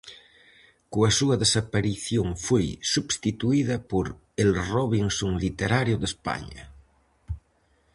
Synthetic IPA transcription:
koasuɐðesapaɾiθjoŋfojsuβst̪it̪uiðɐpoɾ | elroβiŋsoŋlit̪eɾaɾjoðespa̰ɲa̰

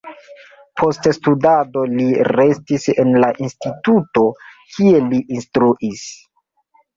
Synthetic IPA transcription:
pʰo̞ststudado̞liɾe̞stisenlaʔinstituto̞kʰie̞liʔinstɾuʔis

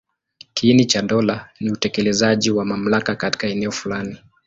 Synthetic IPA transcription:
kinit͡ʃaɗɔlaniutɛkɛlɛzaʄiwamam̩lakakati̥kaɛnɛɔfulani

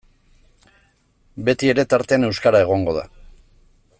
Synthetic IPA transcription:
be̞t̪ie̞ɾe̞t̪aɾt̪e̞ane̞wskaɾae̞ɣ̞o̞ŋɡo̞ða̰

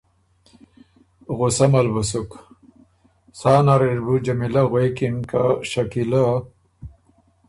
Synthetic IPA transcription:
ɣusɐmɐlbusuk | saːnaɾiɾbud͡ʑɐmilaɣejkinkaɕakila

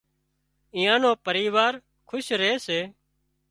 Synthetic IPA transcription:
ɪ̃ːjãːnoːpəɾiːʋaːɾ | kʰʊʃɾeːseː

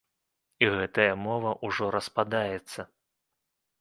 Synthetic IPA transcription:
iɣɛt̪ɐjɐmɔvɐʔuʐɔɾɐspad̪ajɛt̪sːɐ

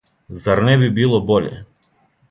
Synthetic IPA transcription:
zaɾnɛbibilˠɔbɔʎɛ̰

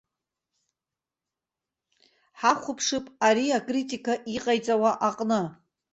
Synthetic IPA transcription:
ħaχʷʊpʰʂɨpʼaɾiakʼritʼikaʔiqʼajt͡sʼawaʔaqʼnɨ

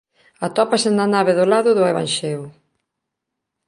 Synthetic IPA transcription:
at̪ɔpasenanaβ̞eðolaðʊðʊeβ̞a̰nʃeʊ

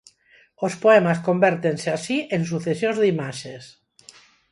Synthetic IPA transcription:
ospoemaskombeɾt̪enseasiʔens̬uθesjonzðimaʃes

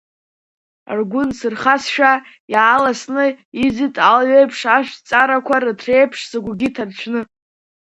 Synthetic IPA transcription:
a̰rɡʷʊnsɨrχasʃᶣa | jaːlasnɨizɨtʼalɥejpʰʂaʃʷᶣt͡sʼaɾakʷʰarɨtʰrejpʰʂsaɡʷɡʲitʰart͡ɕʷʰnɨ

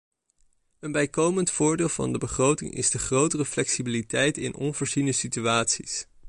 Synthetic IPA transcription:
ənbɛjkowməntfʊːɹdɪːlˠvɑ̰ndəbəχrowtɪ̰ŋʔɪ̰zdəχrowtərəflɛksibilitɛjtɪ̰nɔ̰nvʊːɹzinəsityaːtsis

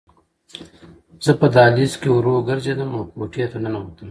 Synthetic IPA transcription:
z̥ɐpɐd̪aːliːskeuɾoːɡɐɾd͡ʑɐd̪ɐmoːkoːʈʰijɐt̪ɐnɐnɐɦoːt̪ɐm

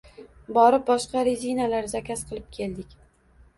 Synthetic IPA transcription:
bɒɾɪp̚bɒʃqɑɾezʲinalaɾzakʲʰasqʰɨlˠɪp̚kʲʰe̞ld̪ɪkʲ

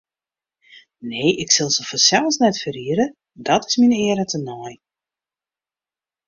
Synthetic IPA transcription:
neːɪksɪlˠzəfɔsɛlˠsnɛtfəɾiəɾə | dɔtɪ̥sminɪəɾətʰənɔj

